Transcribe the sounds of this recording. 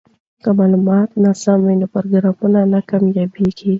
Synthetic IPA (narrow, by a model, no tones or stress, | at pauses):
kamalumaːt̪nasamɐnɐpɐɾɡɾamunanakɐmjabiɡi